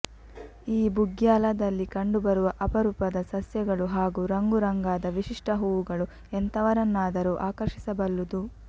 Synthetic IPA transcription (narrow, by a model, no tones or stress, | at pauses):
iːbuɡjaːlɐd̪ɐlːikɐɳɖubɐɾuʋɐʔɐpɐɾupɐd̪ɐsɐsjɐɡɐɭuɦaːɡuːɾɐŋɡuɾɐŋɡaːd̪ɐʋiʃiʂʈʰɐɦuːʋuɡɐɭu | ent̪ʰɐʋɐɾɐnːaːd̪ɐɾuːʔaːkɐɾʂi̥sɐbɐlːud̪u